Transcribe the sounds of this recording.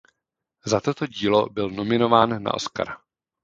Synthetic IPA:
zat̪o̞t̪o̞ɟiːlo̞bɪlno̞mɪno̞vaːnːa̰ʔo̞̰ska̰ɾa

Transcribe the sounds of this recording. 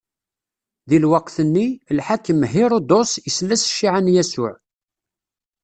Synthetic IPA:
ðilwɑqːθənːilħakːəmɦɪɾˤod̪osjəslːæsə̥ʃːiʕanjæsʊ̰ʕ

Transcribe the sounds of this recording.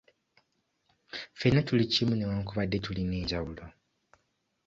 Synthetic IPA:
fenatulicimunewaːŋkuβadːetulineːɲɟawulo

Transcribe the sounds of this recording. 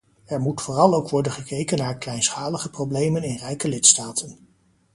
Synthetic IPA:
ɛɹmutfʊːrɑlˠowkʋɔɹdənχəkejkənːaːɹklɛjnsχaːləχəprowblejmənɪnrɛjkəlɪtstaːtʰən

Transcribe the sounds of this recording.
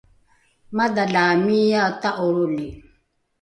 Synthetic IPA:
mad̪alamijataʔoɾoli

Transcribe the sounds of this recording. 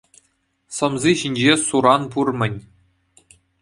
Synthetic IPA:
sɤ̆mziɕinʲd͡ʑesuɾɑnpurmʲɘ̆nʲ

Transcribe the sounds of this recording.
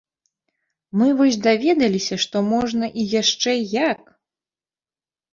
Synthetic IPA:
mɨvɔsʲd̪avʲɛd̪ɐlʲisʲɐʂt̪ɔmɔʐnɐʔijaʂt͡ʂɛjak

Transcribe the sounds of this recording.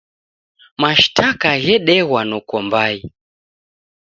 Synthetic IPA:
maʃtʰakajɛɗɛwanukɔmbai

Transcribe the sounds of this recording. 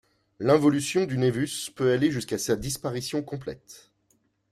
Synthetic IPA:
lɛ̃vɔlysjɔ̃d̪ynevyspøaleʒyskasad̪ispaʁisjɔ̃kɔ̃plɛ̰t̪

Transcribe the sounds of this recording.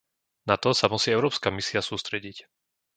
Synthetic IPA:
nat̪ɔsamusiːɛʊɾɔːpskamisiasuːst̪ɾɛɟic

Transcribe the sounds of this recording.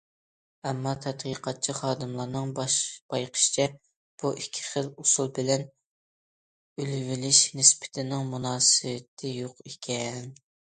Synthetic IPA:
ɛmːɑt̪ʰɛt̪qʰəqʰɑt̪̚t͡ʃʰiχɑːd̪ɨmlˠɑɾnɨŋbɑʃb̥ɑjqʰə̥ʃt͡ʃʰɛ | b̥uʔikʲʰːi̥χəlusulˠbɪlɛn | ylvɪlɪʃnɪspʰɪ̥t̪ʰɪnɪŋmunɑːsɨwɪt̪ʰɪjoqekʲʰɛn

